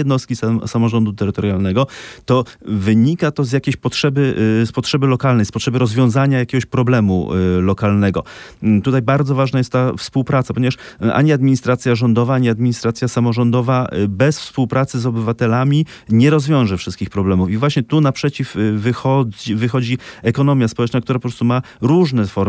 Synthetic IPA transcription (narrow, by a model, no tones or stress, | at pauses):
ɛd̪nɔst̪kʲissamɔʐɔnd̪ut̪ɛɾɘt̪ɔɾjalnɛɡɔt̪ɔvɘɲikat̪ɔzjakʲeɕpɔtʂɛbɘspɔtʂɛbɘlɔkalnɛjspɔtʂɛbɘɾɔzvʲjɔ̃w̃zaɲajakʲɛɡɔɕpɾɔblɛmṵlɔkalnɛɡɔ̰ | t̪ut̪ajbaɾd̪zɔvaʐnajɛst̪t̪ːafspuwpɾat̪sapɔɲɛvaʂ | ʔa̰ɲiad̪̚mʲiɲist̪ɾat̪sʲjaʐɔnd̪ɔvaaɲiad̪mʲiɲist̪ɾat̪sʲjasamɔʐɔnd̪ɔvabɛsfspuwpɾat̪sɘzɔbɘvat̪ɛlamʲi | ɲɛɾɔzvʲjɔ̃w̃ʐɛfʂɘst̪̚kʲixpɾɔblɛmufivwaɕɲɛt̪unapʂɛt͡ɕifːɘxɔd͡ʑivɘxɔd͡ʑiɛkɔnɔmʲjaspɔwɛt͡ʂnak̚t̪uɾapɔpɾɔst̪uma | ɾuʐnɛfɔɾ